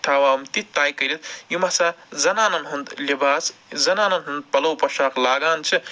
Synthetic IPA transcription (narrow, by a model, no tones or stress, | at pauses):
t̪ʰaːwaːmt̪itt̪aːjkɐɾit̪̚jimɐsaːzɐnaːnɐnɦund̪lʲibaːszɐnaːnɐnɦund̪̚pɐlɐwpɐʃaːklaːɡaːnt͡ʃʰɨ